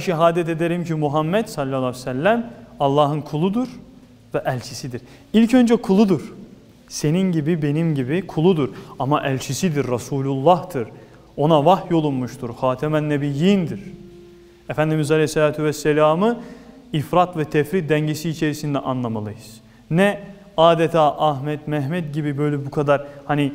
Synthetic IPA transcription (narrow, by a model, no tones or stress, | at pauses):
ʃiɦaːd̪ɛt̪e̞d̪eɾimcimuɦamːɛd̪salʲːalˠːasælʲːæmɑlˠːɑːɦɯnkʰulˠud̪uɾ | vɛʔælʲt͡ʃʰisid̪iɾ̥ | ilʲcʰø̞nd͡ʒɛkʰulˠud̪uɾ̥ | se̞ninɟibibe̞nimɟibikʰulˠud̪uɾɑmaʔælʲt͡ʃʰisid̪iɾːasuːlʲulˠːɑht̪ɯɾ | o̞navaxjo̞lˠunmuʃt̪ʰuɾxaːt̪ʰɛmænːɛbijind̪iɾ̥ | efænd̪imizalʲɛjsɛlʲaːt̪ʰyvɛsːɛlʲaːmɯ | ifɾat̪vɛt̪ʰɛfɾit̪̚d̪æɲɟesiːt͡ʃʰe̞ɾisind̪ɛʔanlˠamalˠɯjɯz̥ | nɛ | aːd̪et̪ʰaːʔaɦmɛt̪mɛɦmɛt̪ɟibibø̞jlʲɛbukʰad̪aɾhani